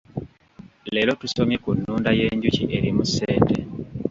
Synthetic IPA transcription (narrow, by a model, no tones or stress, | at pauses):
leːlo̞tuso̞mjekunːuːndaje̞ːɲɟuciʔe̞ɾimuseːnte̞